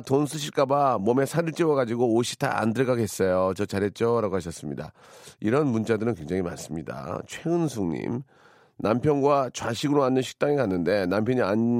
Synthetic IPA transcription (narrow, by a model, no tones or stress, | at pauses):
tons̬ʰuɕ̬ʰik͈abamʌmesʰaɾɯɭt͡ɕ͈iwʌɡad͡ʑiɡoːɕʰi̥tʰa̰a̰ndɯɭɡaɡes͈ʌjot͡ɕʌt͡ɕaɾɦe̞t̚t͡ɕ͈ʌɾaɡoɦaɕ̬ʰʌs͈ɯmɲida̰ | iɾʌnmunt͡ɕ͈adɯɾɯnkwe̞ŋd͡ʑaŋima̰ns͈ɯmɲida̰t͡ɕʰwe̞ɡɯnsʰuŋɲḭm | nampʰjʌnɡwat͡ɕwaɕʰiɡɯɾoanːɯnɕʰi̥k̚t͈aŋikanːɯnde̞nampʰjʌɲian